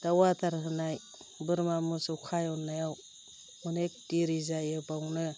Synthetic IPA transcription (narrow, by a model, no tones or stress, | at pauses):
d̥awataɾhɯnaj | bɯɾmamusɔwkʰajɔnːajaw | mɯnek̚tiɾizajɯbawnɯ